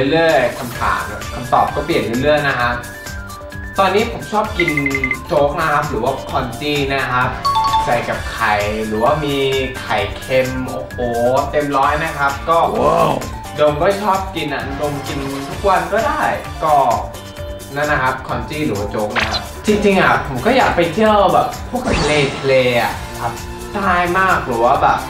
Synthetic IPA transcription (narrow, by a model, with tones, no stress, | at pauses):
lɯ˥˩əjkʰa˧mt̪ʰa̰ː˨˩˦n˨˩kʰa˧mt̪ɔ̰ː˨˩p̚kɔː˥˩pli˨˩ənlɯ˥˩lɯ˥˩əjna˦˥kʰa˦˥ʔ | t̪ɔː˧nːiː˦˥pʰo˨˩˦mt͡ɕʰɔː˥˩p̚ki˧nt͡ɕoː˦˥k̚na˦˥kʰa˦˥p̚ɾɯː˩˦waː˥˩kʰɔː˧nt͡ɕiː˥˩na˦˥kʰa˦˥p̚t͡ɕa˧jka˨˩p̚kʰa˨˩jɾɯː˩˦waː˥˩miː˧kʰa˨˩jkʰe˧mʔoː˨˩hoː˨˩t̪e˧mɾɔː˦˥jna˦˥kʰa˦˥p̚kɔː˥˩ | do˧ŋkɔː˥˩t͡ɕʰɔː˥˩p̚ki˧nʔa̰˨˩do˧ŋki˧nt̪ʰu˦˥k̚wa˧nkɔː˥˩daː˥˩j | kɔː˥˩ | na˦˥nːa˧˥kʰa˦˥p̚kʰɔ˧nt͡ɕiː˥˩ɾɯː˩˦waː˥˩t͡ɕoː˦˥k̚na˦˥kʰa˦˥p̚t͡ɕi˧ŋt͡ɕi˧ŋʔa˨˩pʰo˨˩˦kɔː˥˩jaː˨˩k̚pa˧jt̪ʰi˥˩əwbɛː˨˩p̚ʰːu˥˩kt̪ʰleː˧t̪ʰa˧leː˧ʔa̰˨˩ | kʰa˦˥p̚ | t̪aː˥˩jmaː˥˩k̚ɾɯː˩˦waː˥˩bɛ̰ː˨˩p̚